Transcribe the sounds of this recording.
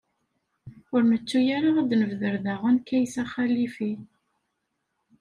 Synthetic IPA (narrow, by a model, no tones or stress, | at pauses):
ʊɾmət͡sːujaɾaʁad̪nəvðəɾðaʁənkæjsæχælifi